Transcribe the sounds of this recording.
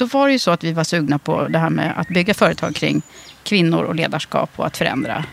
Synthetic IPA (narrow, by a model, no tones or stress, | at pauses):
sɔvaɖɛjɵsɔat̪vɪvaʂʉ̟ːɡnapʰɔ̰d̪ɛɦæːɾmɛ̰ːa̰t̪bʏɡːafœːɾət̪ʰɑːɡ̚kʰɾɪ̰ŋːkʰvɪnːʊ̰ɾɔ̰leːd̪aʂkɑ̰ːpʰɔ̰at̪fœɾɛ̰nd̪ɾa̰